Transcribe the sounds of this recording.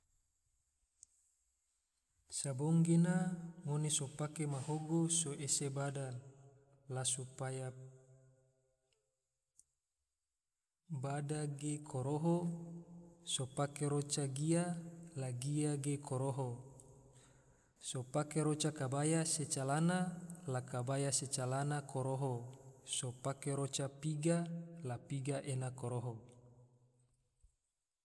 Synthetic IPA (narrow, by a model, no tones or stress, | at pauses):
saboŋɡenaŋonesopakemaɦoɡosoʔesebada | lasupaja | badaɡekʰoɾoɦo | sopakeɾot͡ʃaɡialaɡiaɡekʰoɾoɦo | sopakeɾot͡ʃakabajaset͡ʃalanalakabajaset͡ʃalanakoɾoɦosopakeɾot͡ʃapiɡalapiɡaʔenakoɾoɦo